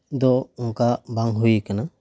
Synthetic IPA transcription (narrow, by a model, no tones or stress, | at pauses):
d̪ɔunkabaŋɦuikana